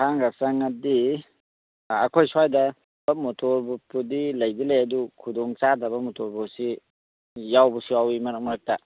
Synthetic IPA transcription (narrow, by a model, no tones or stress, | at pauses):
aŋɡasaŋadi | akʰojsajda | bamɔtʰɔɾbupudilajdilajadukʰudɔŋt͡ʃadabɐmɔtɔɾbusi | jawbɔsiawimanakmɾak̚ta